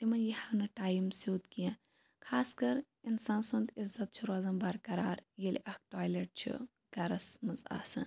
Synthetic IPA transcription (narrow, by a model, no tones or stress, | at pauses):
t̪imɐnjɐhaːnɐʈaːjimsoːt̪kijã | kʰaːskɐɾ | insaːnsund̪izɐt̪̚t͡ʃʰuɾaːzɐmbɐɾkɐɾaːɾjilʔɐk̚ʈaːjleʈ̚t͡ʃʰḭ | ɡɐɾɐsmɐza̰ːsɐ̰n